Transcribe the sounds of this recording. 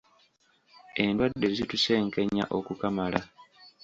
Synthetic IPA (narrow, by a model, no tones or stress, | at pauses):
e̞ndwadːe̞zituse̞ːŋke̞ɲːa̰ʔo̞kukamala